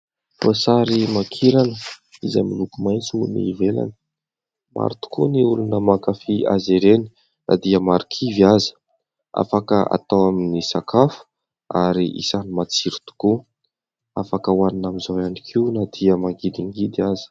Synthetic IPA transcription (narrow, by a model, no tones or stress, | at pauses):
fosaɾimakʰiɾanəizamilukumajnt͡sunḭvela̰nə | ma̰ɾit̪u̥kuniulunəmakafiʔa̰zeɾeni̥ | nʔa̰d̪iəmaɾikʰivazə̥ | a̰fakəa̰t̪awaminisakʰafu̥ | a̰ɾiʔḭsanimat͡siɾi̥t̪u̥ku | afakəwaninamizaanikʰiunad̪̥iəmaɡid̪iŋɡid̪azi̥